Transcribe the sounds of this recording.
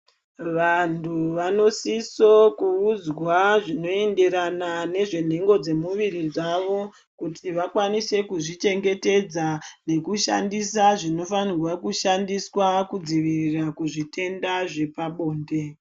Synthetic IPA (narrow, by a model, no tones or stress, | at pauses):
ʋantʰuʋano̞siso̞kuːd͡zwaʐino̞e̞nde̞ɾanane̞ʐe̞n̤e̞ŋɡo̞d͡ze̞muʋirid͡zaʋo̞ | kutʰiʋakwanise̞kuʐit͡ʃe̞ŋɡe̞te̞d͡zane̞kuʃa̰ndisaʐino̞fanirwakuʃandiswakud͡ziʋirirakuʐite̞ndaʐe̞paɓo̞ːnde̞